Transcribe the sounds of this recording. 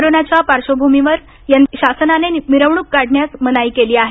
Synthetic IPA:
oɾonat͡ɕjapaɾɕobʱumiʋəɾ | janɕasnanemiɾəʋɳukːaɽɳjasmənaiːkeliːaɦe

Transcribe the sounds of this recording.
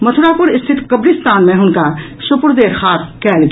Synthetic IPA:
mɐt̪ʰʊɾaːpʊɾɪst̪ʰɪt̪kəbɾɪst̪aːnmẽɦʊnka | sʊpʊɾd̪eːɾxaːt̪̚kɛːlɡ

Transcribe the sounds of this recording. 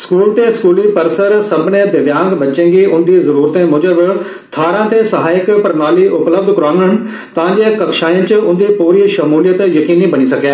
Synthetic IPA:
skuːlt̪eːskuːliːpəɾsəɾsəbnẽːd̪ɪʋjãːŋɡbət͡ʃːʃẽːŋɡiːʔʊnd̪iːzəɾuːɾt̪ẽːmʊd͡ʒəb | t̪ʰaːɾãːt̪eːsəɦaːɪkpəɾnaːliːʔʊpləb̚d̪kəɾãːŋɡən | t̪ãːd͡ʒeːkəkʃaːĩːt͡ʃʊnd̪iːpuːɾiːʃəmuːlɪjət̪jəkiːniːbəɽ̃iːsəkeː

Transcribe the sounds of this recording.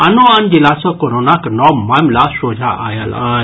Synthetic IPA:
anuand͡ʑilat͡sɔkoɾonaknɔmamlasod͡ʒʱaʔa̰ja̰la

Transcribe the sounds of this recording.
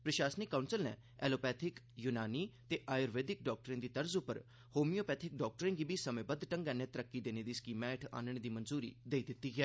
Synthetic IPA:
pɾəʃaːsənɪkːãunsəlnɛ̰ː | ɛːloːpɛːt̪ʰɪk | junaːniːt̪eːʔaːjoːɾʋeːd̪ɪk̚ɖɔːk̚ʈəɾẽnd̪iːt̪əɾzʊpːəɾ | hoːmijoːpɛːt̪ʰɪk̚ɖɔːk̚ʈəɾẽːɡiːbʱiːsəmẽːbəd̪ʈə̃ŋɡɛːnɛ̃ːt̪əɾəkːiːd̪eːneːd̪iːskiːmɛːʈʰa̰ːnəɽ̃ed̪iːmənzuːɾḭːd̪eːiːd̪ɪt̪ːiːɡɛː

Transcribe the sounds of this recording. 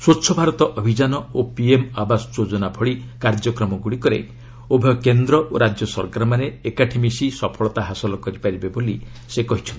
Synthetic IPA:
sot͡ʃʰɔbʱaɾɔt̪ɔʔɔbʱid͡ʒanɔopiemabasɔd͡ʒod͡ʒɔnabʱɔɽikaɾd͡ʒɔkɾɔmɔɡuɽikɔɾḛ | obʱekend̪ɾɔʔoɾad͡ʒjɔsɔ̰ɾkaɾɔmaneekaʈʰimisisɔpʰɔɭɔt̪aɦasɔlɔkɔɾipaɾibeboli | sekɔɦit͡ʃʰɔnt̪i

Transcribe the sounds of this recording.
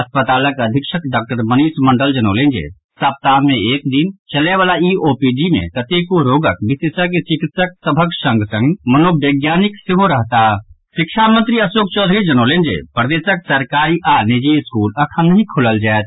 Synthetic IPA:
ɐspət̪aːləkəd̪ʱikʃəkɖaːk̚ʈəɾməniːsməɳɖəld͡ʒənolend͡ʒḛ | səp̚t̪aːnmẽeːkd̪int͡ʃəleʋaːlaioːpid͡ʒimḛ̃kət̪ekoɾoːɡək̚bisesəket͡ʃikit̪sək̚səbʱəksə̃ŋɡsə̃ŋɡmənobjəɡjaːniksɪɦoɾəɦt̪aʃɪkʃʰamə̃nt̪ɾiəsoːk̚t͡ʃod̪ʱɾid͡ʒənolend͡ʒḛpɾəd̪eːsək̚səɾkaːɾiʔanid͡ʒiskuːləkʰənːəɦĩkʰuləld͡ʒaɛt̪̚

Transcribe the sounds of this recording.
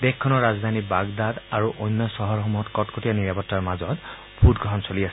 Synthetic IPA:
dɛkkʰːɔnɔɹazd̪ʱanibaɡd̪adaɹuʔojnːɔsɔɦɔɹxɔmuɦɔtkɔtkotianiɹapɔtːaɹmazɔt | bʰʱudɡʱɔɦɔnsoliasɛ

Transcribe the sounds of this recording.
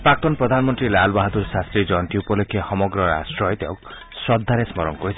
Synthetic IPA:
pɾak̚t̪ɔnpɾɔd̪ʱanmɔnt̪ɾilalbaɦɔt̪uɾsast̪ɾid͡ʒɔɳʈiupɔlokʰːehɔmɔɡɾɔɾa̰sʈɾɔjt̪awk | sɔd̪ʱːaɾesmɔɾɔnkɔɾisʰi

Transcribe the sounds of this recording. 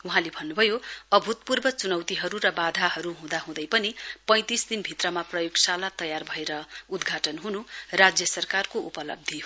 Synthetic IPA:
uɦãlebʱʌnːubʱʌjoʌbʱut̪̚purbʌt͡sunʌwt̪iɦʌɾurʌbad̪ʱaɦʌɾuɦũd̪aɦũd̪ʌjpʌnipʌ̃j̃t̪isd̪inbʱit̪rʌmaprʌjoɡsalat̪ʌjarbʱʌeɾʌud̪ɡʱaʈʌnɦunurad͡zjʌsʌrkarkoupʌlʌ̰b̚d̪ʱi

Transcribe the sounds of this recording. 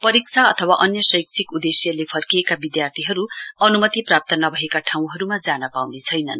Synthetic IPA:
pʌɾik̚t͡sʰaʌt̪ʰʌwaʔʌnjʌsʌjk̚t͡sʰikud̪esjʌlepʰʌrkijekabid̪jart̪ʰiɦʌɾuʌnumʌt̪iprap̚t̪ʌnʌbʱʌekaʈʰaw̃ɦʌɾumad͡zanʌpawnet͡sʰʌjnʌn

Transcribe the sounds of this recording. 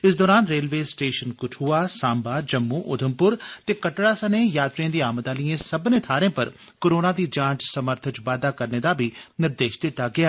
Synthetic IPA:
ɪsd̪ɔːɾaːnɾeːlʋeːsʈeːʃənkʊʈʰuːaːsãːmbaːd͡ʒəmːuːʔʊd̪ʱəmpʊɾt̪eːkəʈɽaːsənẽːjaːt̪ɾiãːd̪iːaːmət̪aːliẽːsəbnẽːt̪ʰaːɾẽːpəɾ | koɾoːnaːd̪iːd͡ʒãːt͡ʃsəməɾt̪ʰət͡ʃʋaːd̪aːkəɾneːd̪aːbʱiːnɪɾd̪eːʃd̪ɪt̪ːaːɡɪaː

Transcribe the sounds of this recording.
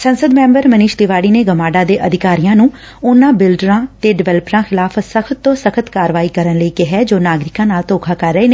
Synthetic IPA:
sənsəd̪mɛ̃ːmbəɾməniːʃd̪ɪʋaːɽiːneːɡəmaːɖaːd̪eːʔəd̪ʱɪkaːɾijãːnũː | ʊnãːbɪlɖɾãːt̪eːɖɪʋɛləpɾãːxʰɪlaːfʰsəkʰət̪ːõːsəkʰət̪kaːɾʋaːiːkəɾənləiːkɪɦɛːd͡ʒoːnaːɡɾɪkãːnaːlt̪oːkʰaːkəɾːəeːneː

